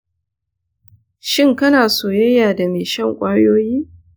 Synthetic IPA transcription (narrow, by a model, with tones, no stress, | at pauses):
ʃɪ˦˨ŋkɐ˦naː˨soː˨jɐ˦jːaː˨da˨meː˨ʃɐ˦˨ŋkʷʼɐː˦ɽjoː˦jiː˦